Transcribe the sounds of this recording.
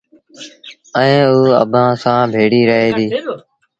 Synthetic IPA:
əẽːuːə̰bʱãːsãːbʱeːɽiːɾəɦeːd̪iː

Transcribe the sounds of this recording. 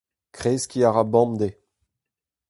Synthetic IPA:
kχeskʲiaʁabɑ̃md̪e

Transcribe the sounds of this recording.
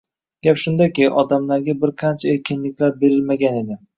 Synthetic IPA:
ɡʲapʃʊnd̪akʲɪʔɒd̪amlaɾɡʲabɪɾqʰɑnt͡ʃʰaeɾkʲɪnlɪkʲlaɾbe̞ɾɪlmaɡʲane̞d̪ɪ

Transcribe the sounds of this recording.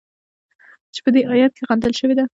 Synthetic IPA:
t͡ʃe̥pəd̪eʔɑjat̪̚keɣand̪əlʃəwed̪a

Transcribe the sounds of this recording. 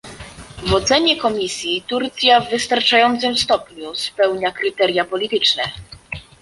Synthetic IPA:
vɔt̪sɛɲɛkɔmʲisʲjit̪uɾt̪sʲjavːɘst̪aɾt͡ʂajɔnt̪sɘmfst̪ɔpɲuspɛwɲakɾɘt̪ɛɾjapɔlʲit̪ɘt͡ʂnɛ

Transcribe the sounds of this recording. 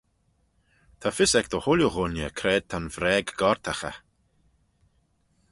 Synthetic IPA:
t̪ʰafɪsɛk̚d̪əhʊlʲjuɣʊnjə̰kʰɾɛːd̪̚t̪ʰanvɾɛːɡɡɔɹt̪ʰaxə̰

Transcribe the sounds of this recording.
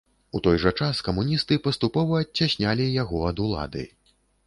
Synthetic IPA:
ut̪ɔjʐɐt͡ʂaskɐmunʲist̪ɨpɐst̪upɔvɐːt͡sʲːaɕʲnʲalʲijaɣɔɐd̪ulˠa̰d̪ɨ̰

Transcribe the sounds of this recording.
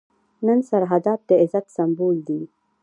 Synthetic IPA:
nənsaɾɦad̪ɑːp̪̚d̪əɪzat̪sambuːld̪i

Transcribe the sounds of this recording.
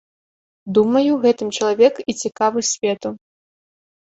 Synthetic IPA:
d̪umɐjuɣɛt̪ɨmt͡ʃɐlˠavʲɛkit͡sʲikavɨsʲvʲɛt̪u

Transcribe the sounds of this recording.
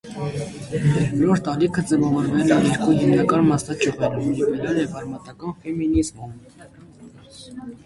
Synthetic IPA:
vɔlɔɾt̪ɑɾikʰəd͡zɛvɑvɔɾvɛlɛjɛɾkuɦimnɑkɑnmɑst̪ɑt͡ʃʰuʁɛɾumjɛvɛlɛlɛbɑɾmɑt̪ɑkɑnfɛminizmum

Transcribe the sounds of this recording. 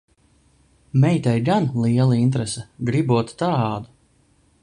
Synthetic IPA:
mɛjt̪ɛjɡanlˠiɛlˠaint̪ɾɛsɛɡɾibuɔt̪t̪aːd̪u

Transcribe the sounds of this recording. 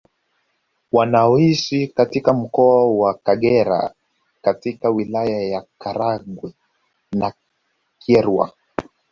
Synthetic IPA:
wanaɔiʃikatikam̩kɔawakaɠɛɾa̰ | katikawilajajakaɾaɠwɛ | na | kʰɛɾwa̰

